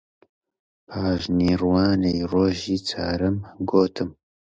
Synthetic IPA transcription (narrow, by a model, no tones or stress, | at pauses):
pʰaːʒniːɾwɑːnejroːʒiːt͡sʰa̰ːɾɨmɡoːt̪ʰɨm